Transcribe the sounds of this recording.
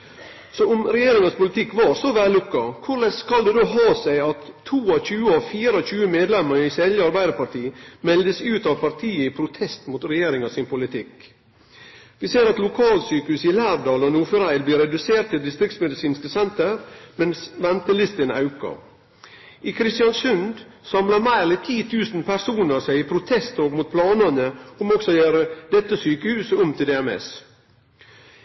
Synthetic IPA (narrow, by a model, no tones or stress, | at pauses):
sɔʊmɾɛjeːɾɪŋəspʊlɪt̪ʰɪkːʋɑːɾsɔʋæːlːʊkːɑkʰʊɭɛt̪skɑld̪ɛd̪oːɦɑːsæɪɑt̪ʰːuːɑçʉːəɔfiːɾɔçʉːəmeːd̪lɛməɾɪsɛljəɑɾbæɪd̪əɾpɑʈiːmɛld̪əsʉːt̪ɑʋpʰɑɾʈʰiːəɪpʰɾʊt̪ʰɛst̪mut̪ɾɛjeːɾɪŋɑsɪnpʊlɪt̪ʰɪk | ʋɪseːɾɑt̪lʊkʰɑːlsyːkəhʉːsɪlæːʋd̪ɑːlɔnuːfʉɾæɪlb̪iːɾɛd̪ʉseːɾʈ̚t̪ːɪld̪ɪst̪ɾɪk̚t̪smɛd̪ɪsiːnskəsɛnt̪əɾmɛnsʋɛnt̪əlɪst̪ənɑ̰ʉkɑ̰ | ʔɪkʰɾɪst̪ɪɑnsʉnd̪ | sɑmlɑmæɪlɛt̪ʰiːt̪ʰʉːsn̩pʰæsuːnəɾsæɪɪpʰɾʊt̪ʰɛst̪ʰoːɡmut̪̚pʰlɑːnənəʊmɔksɔɔjøːɾəd̪ɛt̪ːəsyːkəhʉːsəʊmt̪ʰɪld̪ɛːɛmɛ̰s